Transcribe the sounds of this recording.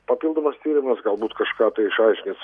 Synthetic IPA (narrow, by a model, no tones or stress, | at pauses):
pɐpʲiːlˠd̪oːmɐst̪ʲiːɾʲɪmɐsɡɐlˠbuːt̪kɐʃkɑːt̪ɐɪɪʃɐɪʃʲkʲnʲes